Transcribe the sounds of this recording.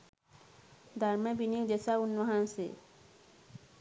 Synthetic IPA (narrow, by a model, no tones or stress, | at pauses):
d̪ʱaɾmẽbinik̚d̪esaʊnʋɐɦãnsḛ